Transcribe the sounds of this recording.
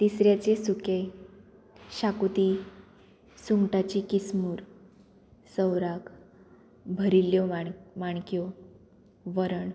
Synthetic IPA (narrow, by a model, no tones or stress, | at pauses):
t̪isɾjat͡ɕesuke | ɕakut̪i | suŋɡʈat͡ɕikismuːɾ | səwɾak | bʱəɾiljɔmaɳ̃kjɔ | ʋəɾəɳ